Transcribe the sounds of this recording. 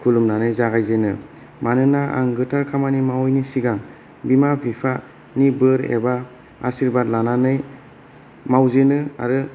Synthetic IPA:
kʰulumnanɯjzaɡajzenɯ | manɯnaʔa̰ŋɡɯtʰaɾkʰamanimawjnisiɡaŋ | bimabʰʱipʰa | nibɯɾḛba | asiɾbadlananɯj | mawzenɯa̰ɾɯ

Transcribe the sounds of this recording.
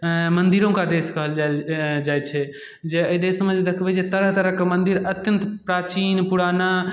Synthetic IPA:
mənd̪iɾõkad̪eskəɦəld͡ʒald͡ʒajt͡ʃʰɛ | d͡ʒeəid̪esmẽd͡ʒd̪ekʰbɛd͡ʒet̪əɾəɦt̪əɾəɦkemənd̪iɾət̪jənt̪pɾat͡ʃinpuɽana

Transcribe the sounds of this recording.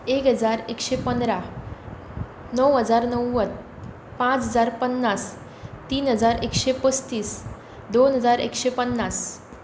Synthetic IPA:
ekɦəd͡zaɾekɕepənd̪ɾa | nəwɦəd͡zaɾnəwːət̪ | pãt͡sɦəd͡zaɾpənːas | t̪iːnɦəd͡zaɾekɕepəst̪iːs | d̪onɦəd͡zaɾḛkɕepənːas

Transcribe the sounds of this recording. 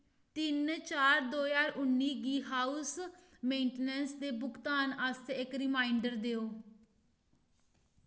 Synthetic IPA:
t̪ɪnt͡ʃaːɾd̪oːjaːɾʊnːiːɡiːɦaːus | mẽːɳʈenɛnsd̪eːbʊkt̪aːnast̪ːɪkɾɪmaːiɳɖəɾd̪eːoː

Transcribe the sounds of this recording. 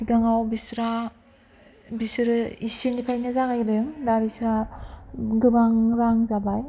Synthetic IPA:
iɡaŋawbisɾa | bisɾɯisenipʰajnazaɡajɾɯŋdabisɾa | ɡɯbaŋɾaŋzabaj

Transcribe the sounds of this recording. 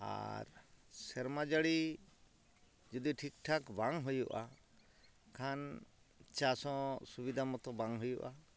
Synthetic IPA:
a̰ɾsɛɾmad͡ʒaɽi | d͡ʒɔd̪iʈʰik̚ʈʰakbaŋɦujuʔa | kʰan | t͡ʃasɔ̃subid̪ʱamɔt̪ɔbaŋɦujuʔa

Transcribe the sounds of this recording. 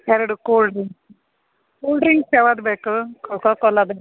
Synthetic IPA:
ɛɾɽukoːɖɾiŋ | koːlɖɾiŋɡseʋad̪bekukɔkɔkɔlad̪

